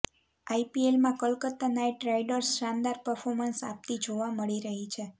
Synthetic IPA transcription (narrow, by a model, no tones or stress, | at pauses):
ajpielmãkəlkət̪ːanaʈɾajɖəɾsʃand̪aɾpəɾfʰoɾmənsa̰p̚t̪id͡ʒoʋaməɭiɾəɦit͡ʃʰe